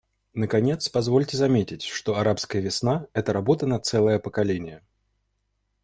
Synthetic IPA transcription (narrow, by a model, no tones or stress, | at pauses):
nəkɐnʲe̞t̪spɐzvo̞lʲtʲɪzɐmʲetʲɪtʲʂt̪oɐɾapskəjəvʲɪsnaɛt̪əɾɐbo̞t̪ənɐt̪sɛlˠəjəpəkɐlʲenʲɪjə